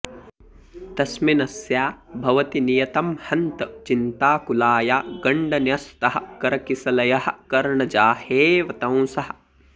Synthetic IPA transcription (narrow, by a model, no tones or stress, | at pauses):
t̪ɐsminɐsjaːbʱɐʋɐt̪inijɐt̪ɐmhɐnt̪ɐt͡ʃint̪aːkulaːjaːɡɐɳɖɐnjɐst̪ɐɦɐ̆kɐɾɐkisɐlɐjɐhɐ̆kɐɾɳɐd͡ʒaːheːʋɐt̪ɐ̃w̃sɐɦɐ̆